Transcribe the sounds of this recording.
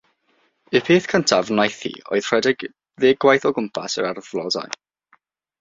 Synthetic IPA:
ɨpʰeːθkʰəntʰavnajθḭo̰ɨð̥r̥ɛdɪɡ̥ | ðeːɡwajθɔɡʊmpʰa̰səɾarðlˠɔda̰j

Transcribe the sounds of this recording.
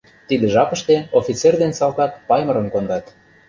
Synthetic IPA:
t̪id̪eʒɑpə̆ʃt̪eofʲit͡serd̪ensɑlkɑt̪pɑjmə̆ɾə̆nkond̪ɑt̪

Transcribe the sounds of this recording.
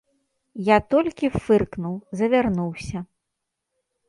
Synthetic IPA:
jat̪ɔlʲkʲifɨrknuwzɐvʲarnuwsʲɐ

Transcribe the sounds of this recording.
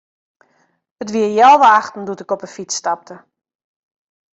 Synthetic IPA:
ətʋiəjalˠʋaaxtn̩dutɪkɔpəfistap̚tə

